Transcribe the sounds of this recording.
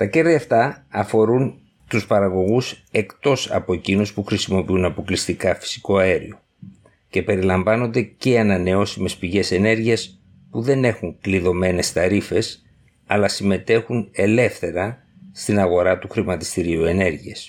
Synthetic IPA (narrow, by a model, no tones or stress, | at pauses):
t̪ɐce̞ɾðiɐft̪ɐːfo̞ɾun | t̪uspɐɾɐɣo̞ɣuse̞kt̪o̞sɐ̰po̞ecinuspuxɾisimo̞piunɐpo̞klist̪ikɐfi̥si̥ko̞ɐe̞ɾḭo̞ | ce̞pe̞ɾilɐɱvɐno̞nd̪e̞ce̞ɐnɐne̞o̞sime̞spiʝe̞se̞ne̞ɾʝiɐs | puðe̞ne̞xuŋkliðo̞me̞ne̞st̪ɐɾife̞s | ɐlɐsime̞t̪e̞xune̞le̞fθe̞ɾɐ | st̪inɐɣo̞ɾɐt̪uxɾimɐt̪i̥st̪iɾiue̞ne̞ɾʝies